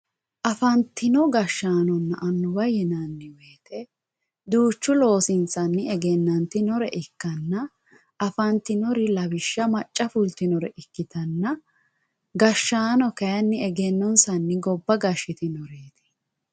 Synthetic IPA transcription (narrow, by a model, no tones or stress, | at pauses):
ʔɐfɐnt̪ːɪnɔɡɐʃːaːnɔnːɐʔɐnːʊbɐjɛnɐnːɪweːt̪ɛ | d̪uːt͡ʃːʊlo̞ːsɪnsɐnːɪɛɡɛnːɐnt̪ɪnɔɾɛʔɪkːɐnːɐ | ɐfɐnt̪ɪnɔɾɪlɐwɪʃːɐmɐt͡ʃʼːɐfʊlt̪ɪnɔɾɛʔɪkːɪt̪ɐnːɐ | ɡɐʃːaːnɔkɐjɐnːɪɛɡɛnːɔnsɐnːɪɡɔbːɐɡɐʃːɪt̪ɪnɔɾeːt̪ɛ̥